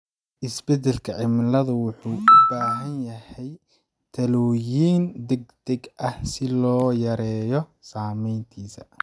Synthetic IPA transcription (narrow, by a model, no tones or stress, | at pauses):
ʔɪsbɛd̪ɛlkʰɐʕɪmlɐðʊwʊħuːʔʊbaːɦɐnjɐhɛj | t̪ʰɐlɔjiːnd̪ɛɡ̚d̪̥ɛɡʔɐhsɪlɔːjɐɾɛːjɔsaːmɛjnt̪ʰiːsɐ